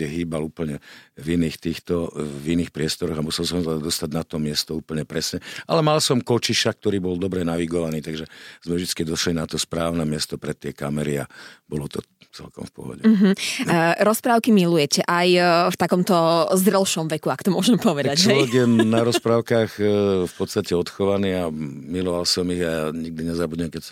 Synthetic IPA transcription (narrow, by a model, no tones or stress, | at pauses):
ɛɦiːbaluːpl̩ɲɛviniːxt̪iːxt̪ɔviniːxpɾɪɛst̪ɔɾɔɣamusɛlsɔmzad̪ad̪ɔst̪aɟnat̪ɔmɪɛst̪ɔuːpl̩ɲɛpɾɛsɲɛʔa̰lɛmalsɔmkɔt͡ʃiʃak̚t̪ɔɾiːbɔld̪ɔbɾɛnaʋiɡɔʋaniːt̪aɡʒɛz̥mɛvʒd̪it͡skid̪ɔʃlinat̪ɔspɾaːʊnɛmɪɛst̪ɔpɾɛt̪ɪɛkamɛɾia̰bɔlɔt̪ɔ̰ | t͡sɛ̰lkɔ̰mfpɔ̰ɦɔ̰ɟɛɦ̩ɾɔspɾaːʊkimilujɛcɛʔajft̪akɔmt̪ɔzd̪ɾɛlʃɔmʋɛkuakɔ̥t̪ɔmʊɔʒɛmpɔʋɛd̪aat͡ʃlɛɔʋɛɡjɛnaɾɔspɾaːʊkaːxfpɔt̪st̪acɛɔt̪xɔʋaniːamilɔʋalsɔmiɣaaɲiɡ̚d̪iɲɛzabudɲɛmkɛcs